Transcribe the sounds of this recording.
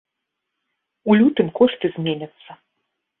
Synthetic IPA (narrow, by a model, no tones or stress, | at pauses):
ulʲut̪ɨmkɔʂt̪ɨzʲmʲenʲɐt̪sːɐ